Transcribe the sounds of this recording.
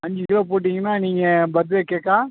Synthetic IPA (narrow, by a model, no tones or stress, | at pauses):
ɐɲd͡ʒɪɪloːpoːʈ̬ːiŋɡɐnːaːniːŋɡɐbɐd̪̬ʋeːkːeːkːaː